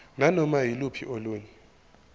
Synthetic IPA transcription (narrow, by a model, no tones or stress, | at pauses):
nanɔmajilupʰiʔoluːɲɛ